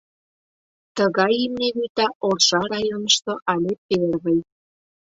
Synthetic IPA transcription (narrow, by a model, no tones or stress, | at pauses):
t̪əɣɑjimneβit̪ɑʔorʃɑɾɑjonə̆ʃt̪oʔɑlʲep̚erβəj